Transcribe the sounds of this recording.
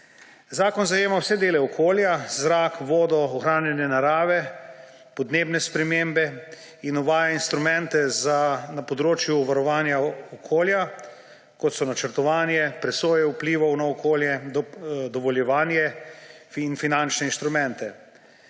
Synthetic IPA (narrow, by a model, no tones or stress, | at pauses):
zaːkɔnzajeːmawsɛd̪eːlɛɔkʰoːljazɾaːkʋoːd̪ɔɔxɾaːnjɛnjɛnaɾaːʋɛ | pɔd̪neːbnɛspɾɛmembɛ | inɔʋaːjainst̪ɾumɛ̃nt̪ɛzanapɔd̪ɾoːt͡ʃjuːʋaɾɔʋaːnjaɔkʰoːlja | kɔt̪sɔnat͡ʃəɾt̪ɔʋaːnjɛpɾɛsoːjɛwpliːʋɔwnaɔkʰoːljɛ | d̪ɔʋɔljɛʋaːnjɛ | infinant͡ʃnɛinst̪ɾumɛ̃nt̪ɛ